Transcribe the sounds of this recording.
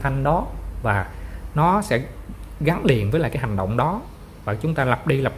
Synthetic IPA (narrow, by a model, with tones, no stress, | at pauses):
t̪ʰa˧ŋ̟ɗɔ˨˦vaː˨˩nɔ˨˦sɛ̰˧˥ɣa˨˦ŋnli˨˩ənvəː˨˦jlaː˨˩kaː˨˦jha˨˩ŋ̟ɗə̰˧˨wŋ͡mɗɔ˨˦ | vaː˨˩t͡ɕʊ˨˦ŋ͡mt̪aː˧la˨˩p̚ɗi˧la˨˩p̚